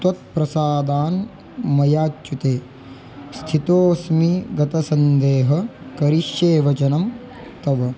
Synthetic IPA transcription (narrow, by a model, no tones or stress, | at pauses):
t̪wɐt̪̚pɾɐsaːd̪aːn | mɐjaːt͡ʃːut̪eː | st̪ʰit̪oːsmiɡɐt̪ɐsɐnd̪eːɦɐkɐɾiʃjeːʋɐt͡ʃɐnɐm | t̪ɐʋɐ